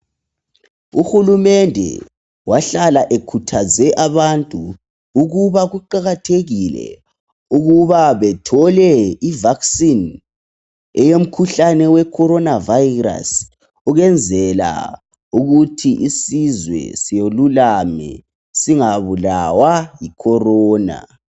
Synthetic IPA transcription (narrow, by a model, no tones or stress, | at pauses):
uxulumɛndʱɛ̰ | waɬalaʔekʰutʰazɛʔaβantʼuː | ɣuβaɣuǃaɣatʰeɣilɛ̰ | uɣuβaβɛtʰɔlɛivaksin | ɛjom̩kʰuɬanɛwɛkʰɔɾɔnavajra̰s | ɔɣɛnd͡zʱɛla̰ | uɣutʰiʔisizwɛ̰sijolulamɛ̰ | siŋaβulawajikʰɔrɔːna̰